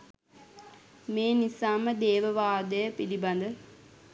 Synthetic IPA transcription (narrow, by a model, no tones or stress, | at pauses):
meːnisaːməd̪eːʋəʋaːd̪əjəpiliband̪ə